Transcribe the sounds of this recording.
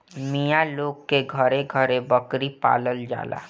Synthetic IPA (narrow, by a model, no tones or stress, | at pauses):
mijaloːɡkeɡʱəɾeɡʱəɾebəkɾipa̰ːləld͡ʒa̰ːla̰ː